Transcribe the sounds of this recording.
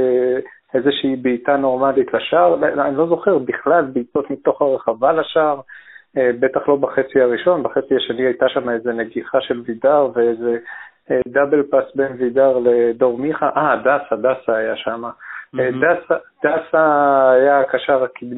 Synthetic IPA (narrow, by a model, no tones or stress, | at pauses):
e | e̞zeʃiːbiːtano̞ʁmalitlaʃaʁanilo̞zo̞χeʁbiχlalbiːto̞tmit̪o̞χaʁeχavalaʃaʁebe̞t̪aχlo̞baχe̞t͡siaʁiʃo̞nbaχe̞t͡sihaʃeniajtaʃamae̞zene̞ɡiχaʃe̞lvidaʁveeze̞ | d̪abelpasbenvidaʁled̪o̞ʁmiχaʔadasad̪asaːjaʃamadasad̥̪asaajakaʃaʁakid̪